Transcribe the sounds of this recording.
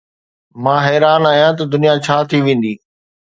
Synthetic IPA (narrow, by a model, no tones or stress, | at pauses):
mãːɦɛːɾaːnaːjãt̪̬ɐd̪ʊnijat͡ɕʰaːt̪ʰiʋẽːn̆d̪iː